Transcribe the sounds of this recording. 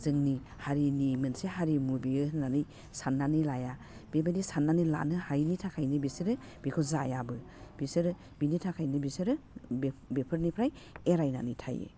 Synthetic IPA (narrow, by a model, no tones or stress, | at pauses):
zɯŋni | haɾinimɯnseɦaɾimubiɯnanɯj | sanːanɯlaja | b̥ebadisanːanɯjla̰nɯhajnitʰakʰajnɯbisɯɾɯ | b̥ikʰɔzajabɯ | b̥isɯɾɯ | binitʰakʰajnɯbisɯɾɯ | bepʰɯɾnipʰɾaj | eɾajna̰nɯjtʰa̰jḛ